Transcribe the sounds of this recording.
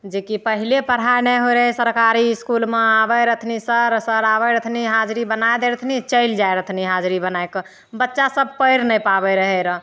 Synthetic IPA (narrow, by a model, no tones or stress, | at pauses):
d͡ʒekipəɦilepəɾ̤ɦajnɛjɦoɾəɦɛsəɾkaɾiskulmeabəɾət̪ʰnisəɾsəɾabəɾət̪ʰniɦad͡ʒɾibənaed̪eɾət̪ʰnit͡ʃəɪld͡ʒaeɾət̪ʰniɦad͡ʒɾibənajkə | bətːʃasəb̚ʱpəɪɾnɛjpabɛɾəɦɛɾə